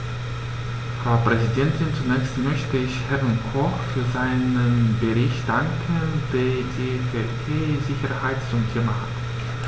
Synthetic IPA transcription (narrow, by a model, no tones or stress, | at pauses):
fʁ̥aʊpʁ̥ɛzidɛntʰɪnt͡sunɛːçstmœçtəɪçhɛvənkʰɔχfyːɐzaɪnənbəʁɪçtd̥aŋkʰənd̥eːɐdiːfeɐʔʰeːzɪçɐhaɪtt͡sʊmtʰeːmaha̰t